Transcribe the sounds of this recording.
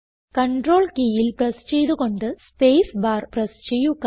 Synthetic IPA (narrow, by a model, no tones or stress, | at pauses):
kɐɳɖro̞ːɭkiːjilprɐst͡ɕejðuɣo̞ɳɖɨspeːsbaːrprɐst͡ɕejukː